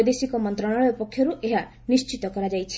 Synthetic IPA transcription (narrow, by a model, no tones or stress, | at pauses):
jd̪esikɔmɔnt̪ɾɔɽ̃aɭɔupɔkʰːjɔɾuʔeɦa | nist͡ʃit̪ɔkɔɾad͡ʒajt͡ʃʰi̥